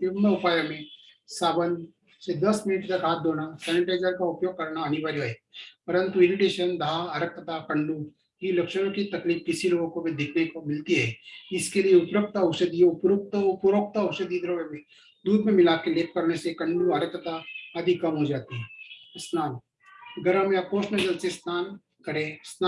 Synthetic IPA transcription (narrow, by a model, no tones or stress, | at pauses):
ibnəʊpaːjamẽsaːbənd̪ | sed̪ɐsmɪnɪʈt̪ɐkɦaːt̪̚d̪oːnasɛːnɪʈaːɪzəɾkaʊpjoːɡ̚kɐɾnaɐnɪʋaɾjoɦɛːpɐɾə̃nt̪uɪɾɪʈeːʃənd̪aaɐɾəkət̪akɐ̃ɳɖu | kilɐkʃəɾ̃õkit̪ɐkliːpkɪsiloːɡõkobʱid̪ɪkʰnekomɪlt̪iɦɛːɪskelieʊpɾək̚t̪aʊsed̪ioʊpɾok̚t̪ʊpɾoːk̚t̪aʊsed̪iːd̪ɾəʋemẽ | d̪uːd̪mẽmɪlaːkeleːp̚kɐɾnesekɐ̃ɳɖuɐɾəkət̪aɐd̪ʱikɐmɦod͡ʒaːt̪iɦɛsnaːn | ɡɐɾəmjakoːsnəd͡ʒɐlsesnaːn | kɐɾesn